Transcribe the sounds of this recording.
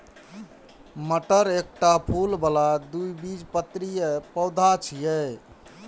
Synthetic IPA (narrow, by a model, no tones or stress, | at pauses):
məʈəɾek̚ʈapʰulbəlad̪ujbid͡ʒpət̪ːɾijəpəwd̪ʱat͡ʃʰijɛj